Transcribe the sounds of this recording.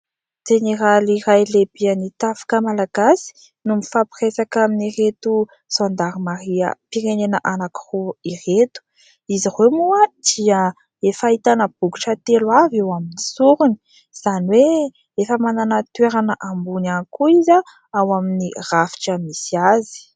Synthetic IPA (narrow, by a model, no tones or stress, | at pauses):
d͡ʒ̥eneɾaliɾajlebiənit̪afḁkəmalaɡasi̥ | numifapiɾesakaminiɾet̪u | z̥ond̪aɾimaɾiə̰piɾenenəʔanaki̥ruiret̪u̥ | izirwemuəd̪̥iə | efait̪anəb̥uɡuʈ͡ʂət̪elwavewaminisuɾuni̥ | z̥aniwe | efəmananat̪weɾanəʔambunanikuizə | awaminirafi̥ʈ͡ʂəmisiazi̥